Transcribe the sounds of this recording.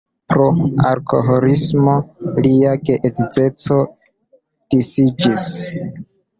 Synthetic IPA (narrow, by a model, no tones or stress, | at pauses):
pɾoa̰ɾkʰo̞̰ɦoɾismo̞liaɡeʔedid͡ze̞t͡so̞ | d̥isid͡ʒis